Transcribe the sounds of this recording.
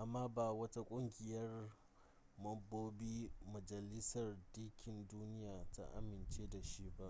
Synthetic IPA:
ʔa˨mːaː˦ba˨wɐ˦ta˦kʷʼʊ˦ŋɡʲɪ˨jɐ˦r | mɐ˦bːoː˦biː˦mɐ˨d͡ʒɐ˨lɪ˦sɐ˨rdi˦kʲʰɪ˨nduː˦nɪ˦jaː˨ta̰˦ʔa̰˨mɪ˨nt͡ʃeː˦da˨ʃi˦ba˦ʔ

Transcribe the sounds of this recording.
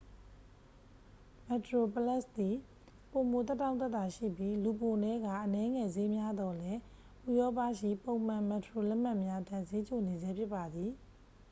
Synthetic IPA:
mɛ˨tɹo˨pə˨lɛ˦˨st̪i˨ | po˨mo˨t̪ɛ˦tːã˦ʊ̃nt̪ɛ˦t̪a˨ʃḭ˦˨bji˦lu˨po˨nɛ˦ɡa̰˦˨ʔənɛ˦ŋɛ˨ze˦mja˦d̪ɔ˨lɛ˦ | ʔu˨jɔ˦pä˦˨ʃḭ˦˨põ˨ʊ̃mã˨mɛ˨təɹo˨lɛ˦ʔm̥a˦ʔmja˦dã˨ze˦t͡ɕo˨ne˨d͡ʑɛ˦pʰjɪ˦pːa˨d̪i˨

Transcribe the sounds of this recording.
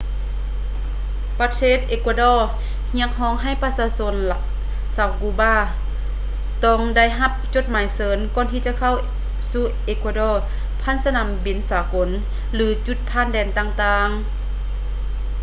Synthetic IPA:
pa˧˩t̪ʰeː˧˩˨t̪̚ʔeː˧kwaː˧dɔː˧˩ | hi˧˥ək̚hɔː˧˨ŋɦa˧˩˨jpa˧saː˧˦so˧˥n | saː˨˩wkuː˧˦baː˧˥˩ | t̪ɔː˧˩ŋda˧˩˨jɦa˧˦p̚t͡ɕo˧˦t̪̚maː˨˦jsɤː˨˦nkɔː˧˨nt̪ʰiː˧t͡ɕa˧˨kʰa˧˥˨w | suː˧˩ʔeː˧kwaː˧dɔː˧˩ | pʰa˧˥˨nsa˧na˧˨mbi˨˦nsaː˨˦ko˨˦n | lɯː˨˦t͡ɕu˧˦t̪̚pʰaː˧˥˨ndɛː˧˨nt̪aː˧˨ŋt̪aː˧ŋ

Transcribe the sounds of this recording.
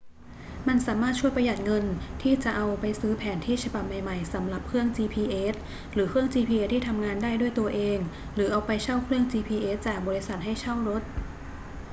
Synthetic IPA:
ma˧nsaː˩˦maː˥˩t̪̚t͡ɕʰu˥˩əjpɾa˧ja˨˩t̪̚ŋɤ˧nt̪ʰiː˥˩t͡ɕa˨˩ʔa˧wpa˧jsɯː˦˥pʰɛː˩˦nt̪ʰiː˥˩t͡ɕʰa˧ba˨˩p̚ma˨˩jma˨˩jsa˩˦mla˨˩p̚kʰɾɯ˥˩əŋt͡ɕiː˧pʰiː˧ʔeː˦˥t̪̚ | ɾɯː˩˦kʰɯ˥˩əŋt͡ɕiː˧pʰiː˧ʔeː˧˦˥t̪ʰːiː˥˩t̪ʰa˧mŋaː˧ndaː˥˩jdu˥˩əjt̪u˧ɐʔeː˧ŋ | ɾɯː˩˦ʔa˧wpa˧jt͡ɕʰa˥˩wkʰɾɯ˥˩əŋt͡ɕiː˧pʰiː˧ʔeː˦˥t̪̚t͡ɕaː˨˩k̚bɔː˧ɾi˦˥sa˨˩t̪̚ɦa˥˩jt͡ɕʰa˥˩wɾo˦˥t̪̚

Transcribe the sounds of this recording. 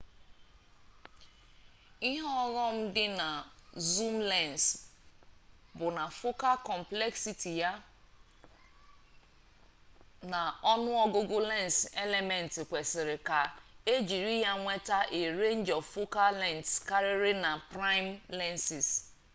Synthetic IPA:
i˦ɦɔ˦ɣɔ˦m̩˦dɪ˦na˨zu˦mlɛ˦˨ns | bʊ˨na˨fʊ˦ka˦kɔ˨m̩˨plɛ˦ksi˦ti˨ja˦ | na˨ɔ˦nʊ˦ɔ˦ɡʊ˦ɡʊ˦lɛ˦n˨se˦le˨mɛ˨n̩˨tɪ˨kʷe˨sɪ˨ɾɪ˨ka˨e˦d͡ʒi˨ɾi˦ja˦ŋʷe˦ta˦ʔe˨ɾe˦n˦d͡ʒɔ˨vfo˦ka˦lɛ˦˨ntska˦ɾɪ˦ɾɪ˦na˨pɾa˦ɪ˦mlɛ˦nsɪ˨s

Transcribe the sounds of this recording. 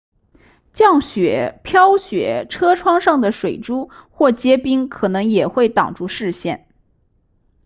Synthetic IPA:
t͡ɕjɑ˥˩ŋɕɥɛ˨˩˦pʰjɑ˥ʊɕɥɛ̰˨˩˦ʈ͡ʂʰɤ˥ʈ͡ʂʰwɑ˥ŋʂɑ˥˩ŋd̪ə˩ʂwe˨˩ɪʈ͡ʂu˥xwɔ˥˩t͡ɕjɛ˥pi˥ŋkʰɤ˨˩nɤ˧˥ŋjɛ˨˩xwe˥˩ɪt̪ɑ̰˨˩ŋʈ͡ʂu˥˧ʂɻ̩˥˧ɕjɛ˥˩n

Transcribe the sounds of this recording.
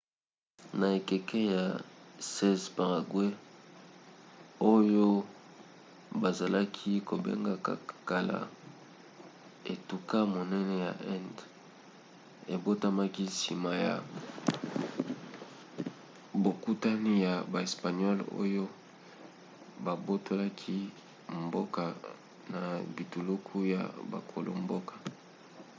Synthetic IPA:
na˨e˨kɛ˨kɛ˦ja˨sɛ˦zpa˨ʁa˨ɡwe˦ | o˦jo˦ | ba˨za˨la˦kʰi˦ko˨bḛ˦ŋɡa˦ka̰˨ka˨la̰˨ | e˨tu˨ka˦mo˨nɛ˦nɛ˦ja̰˨ʔɛ˦nd | e˨bo˦ta˦ma˦ki˦si˨ma˦ja̰˨ | bo˨ku˦ta˦ni˦ja˨ba˨e˨spa˨nɔ˦lo̰˦jo˦ | ba˨bo˦tʰo˦la˦kʰi˦ | mbo˦ka˨ | na˨bi˨tu˨lu˦kʰu˦ja̰˨ba̰˨kʰo˨lʔo̰˨mbo˦kḁ˨

